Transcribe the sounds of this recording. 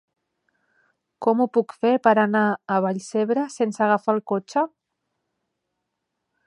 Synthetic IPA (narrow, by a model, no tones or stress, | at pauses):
kɔmupukfepəɾanaəβ̞aʎseβɾəsensəɣafalˠkot͡ʃə